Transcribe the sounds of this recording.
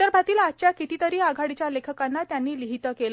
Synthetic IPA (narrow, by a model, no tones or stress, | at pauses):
əɾbʱat̪iːlat͡ɕjakit̪iːt̪əɾiːaɡʱaɽit͡ɕjalekʰəkanːat̪janːiːliɦit̪əkel